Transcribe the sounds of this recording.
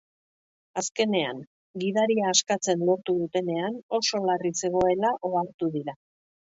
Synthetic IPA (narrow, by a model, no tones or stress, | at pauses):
aske̞ne̞a̰ŋ | ɡið̞aɾiaːskat͡se̞nlo̞ɾt̪uðut̪e̞ne̞ano̞so̞larise̞ɣ̞o̞e̞laʔo̞aɾt̪uðiɾa